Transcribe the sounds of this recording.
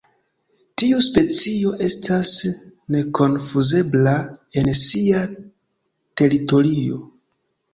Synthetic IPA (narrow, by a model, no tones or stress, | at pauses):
tiuspe̞t͡sio̞ʔe̞stʰas | ne̞kʰo̞nfuze̞blae̞nsia | te̞ɾito̞ɾio̞